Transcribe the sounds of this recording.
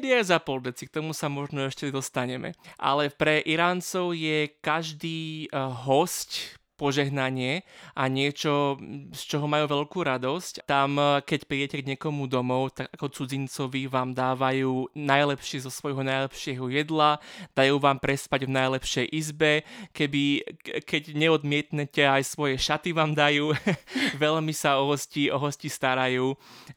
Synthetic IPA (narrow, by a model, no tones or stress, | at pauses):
d̪iajzapɔld̪ɛt͡sik̚t̪ɔmusamɔʒnɔɛʃcɛd̪ɔst̪aɲɛmɛ̰ʔa̰lɛpɾɛʔiɾaːnt͡sɔʊjɛkaʒd̪iːɦɔscpɔʒɛɦnaɲɪɛʔaɲɪɛt͡ʃɔst͡ʃɔɦɔmajuːʋɛʎkuːɾad̪ɔsct̪amkɛcpɾiːɟɛcɛɡɲɪɛkɔmud̪ɔmɔʊt̪aɡakɔt͡sud͡zint͡sɔʋiʋaːmd̪aːʋajuːnajlɛpʃɪɛzɔsʋɔjɦɔnajlɛpʃɪɛɦɔjɛd̪lad̪̥ajuːʋaːmpɾɛspaɟvnajlɛpʃɛjʔizbɛkɛbikɛɟɲɛɔd̪mɪɛt̪ɲɛcɛajsʋɔjɛʃat̪iʋaːmd̪ajuːʋɛʎmisaɔɦɔsciɔɦɔscist̪aɾajuː